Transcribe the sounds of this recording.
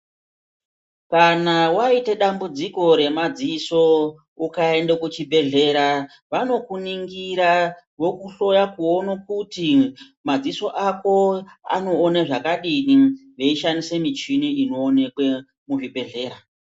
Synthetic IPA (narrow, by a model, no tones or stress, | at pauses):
kanawaiteɗambud͡ziko̞ɾe̞mad͡ziso̞ | ukae̞ndekut͡ʃibʱe̞ɮe̞ɾa | ʋano̞kuniŋɡiɾa | ʋo̞kuɬo̞jakuonokuti | mad͡ziso̞ʔako̞a̰no̞ːnaʐakaɗiniʐe̞iʃanisemit͡ʃiniino̞ːnekwe | muʐibʱe̞ɮe̞ːɾa